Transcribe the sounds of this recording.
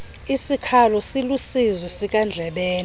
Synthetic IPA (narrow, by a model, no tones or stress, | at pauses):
isikʰalɔsilusizɛsik̬ʼand͡ɮʱɛɓɛːn